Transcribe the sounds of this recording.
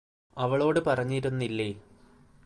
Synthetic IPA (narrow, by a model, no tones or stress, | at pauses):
ɐʋɐɭo̞ːɽɨpɐrɐɲːiːɾunːilːeː